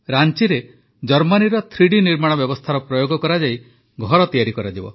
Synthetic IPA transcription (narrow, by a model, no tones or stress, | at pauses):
ɾant͡ʃiɾe | d͡ʒɔɾmaniɾɔt̪ʰɾiɽiniɾmaɽ̃ɔbjɔbɔst̪ʰaɾɔpɾɔjoɡɔkɔɾad͡ʒai | ɡʱɔɾɔt̪ijaɾikɔɾad̪ibɔ̰